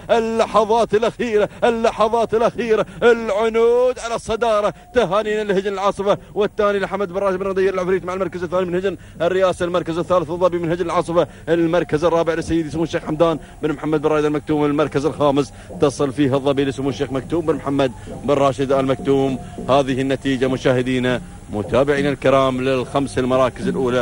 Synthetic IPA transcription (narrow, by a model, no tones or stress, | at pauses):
ʔɪlːɑħɑðˤɑːt̪ɪlʔaxiːɾaʔɪlːɑħɑðˤɑːt̪ɪlʔaxiːɾaʔɪlʕʊnuːd̪ʕalɑsˤːɑd̪ɑːɾˤɑt̪aɦaːniːnɪlhɪd͡ʒnɪlʕɑːsˤɨfa | wɪθːaːnilɪħamːad̪̚bɪrˤːɑːʃbɪnɣɑd̪ɪjːɪɾɪlʕɪfɾiːt̪maʕɪlmɑɾˤkazɪθːaːnimɪnhɪd͡ʒn | ɪrːɪjaːsalmɑɾˤkazɪθːaːlɪθɨðˤːɑbimɪnhɪd͡ʒnɪlʕɑːsˤɨfa | lmɑɾˤkazɨrˤːɑːbɪʕlɪsːajːɪd̪ismuːʃeːxħamd̪aːn | bɪnmħamːad̪̚bɪrˤɑːjd̪almak̚t̪uːmɪlmɑɾˤkazɪlxaːmɪs | t̪ɑsˤɨlfiːɦɨðˤːɑbilɪsmuːʃːeːxmak̚t̪uːmbɪnmħamːad̪̚bɪrˤːɑːʃɪd̪almak̚t̪uːmhaːðɪhɪnːat̪iːd͡ʒamʊʃaːhɪd̪iːna | mʊ̰t̪aːbɪʕiːnalkɪɾɑːmlɪlxamsalmɑɾˤɑːkɪzɪlʔuːla